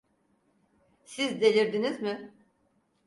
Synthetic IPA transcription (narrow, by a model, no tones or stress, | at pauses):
sizd̪elʲiɾd̪inizmɪ